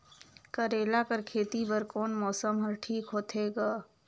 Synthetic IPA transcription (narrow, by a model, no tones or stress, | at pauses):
kəɾeːlakəɾkʰeːt̪ibəɾkoːnmɔːsəmɦəɾʈʰiːkɦoːt̪ʰeɡaː